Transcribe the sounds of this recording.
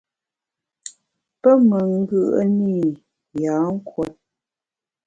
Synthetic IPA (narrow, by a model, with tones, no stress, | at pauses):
pə˦mə˨ŋ̩˦ɡɯ˦ʔə̰˦ni˦˨ | jaː˨˦ŋ̩˦kwɔ˨˦t̚